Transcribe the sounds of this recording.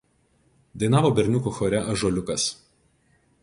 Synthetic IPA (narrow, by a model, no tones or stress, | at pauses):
d̪ɐɪnɑːʋoːbʲɛɾʲnʲʊkuxɔːɾʲɛʔɐʒɔːlʲʊkɐs